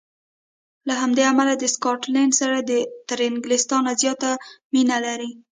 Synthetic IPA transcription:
laɦamd̪eamalad̪əskɑʈlaɳɖsaɾad̪ət̪aɾɪŋɡlɪst̪ɑnazjɑt̪aminalaɾi

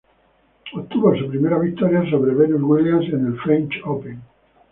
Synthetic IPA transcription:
ott̪uβonsupɾimeɾaβik̚t̪oɾjasoβɾeβenuzɣwiljansenelfɾẽnt͡ʃopẽŋ

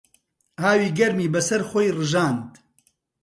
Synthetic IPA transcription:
haːwiːɡɐɾmiːbɐsɐɾxoːjrɨʒaːnd̪

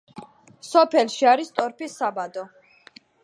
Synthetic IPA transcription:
sɔpʰɛlʃiaɾist̪ʼɔɾpʰisabad̪ɔ

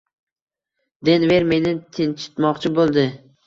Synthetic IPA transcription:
d̪e̞nve̞ɾme̞nɪt̪ʰɪnt͡ʃʰɪ̥t̪mɒqt͡ʃʰɪbolˠd̪ɪ

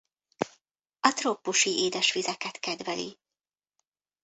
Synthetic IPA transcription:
ɒt̪roːpːuʃiʔeːd̪ɛʃʋizɛkɛt̪kɛd̪vɛlḭ

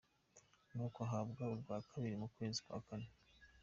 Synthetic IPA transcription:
nuːkoɦabɡaɾuɾɡwaːkʰaβiɾimukwe̞ːzi̥kwa̰ːkane

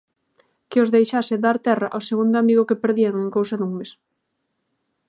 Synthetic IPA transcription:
kɪozðejʃasɪðaɾt̪ɛraʔawseɣund̪ʊamiɣʊkepeɾðiaŋeŋkowsɐðuŋmes

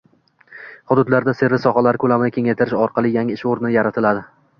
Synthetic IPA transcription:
hʊd̪ʊd̪laɾd̪ase̞ɾvɪsɒhalaɾɪkʰɵlamɪnɪkʲʰe̞ŋajt̪ʰɪɾɪʃɒɾqʰɑlˠɪjaŋɪʃoɾnɪnjaɾat̪ʰɪlad̪ɪ

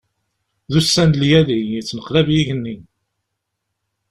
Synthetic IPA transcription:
ðusːænljæðiit͡sːnəqlævjiʝənːi

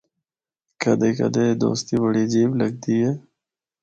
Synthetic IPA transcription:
kɐd̪eːkɐ̰d̪eːd̪o̰ːst̪ibəɽiːd͡ʒiːbləɡ̚d̪iːɦeː

